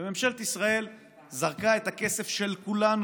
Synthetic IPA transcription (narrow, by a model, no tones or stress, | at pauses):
ememʃelt̪isʁae̞l | zaʁkae̞t̪hake̞se̞fʃelkulan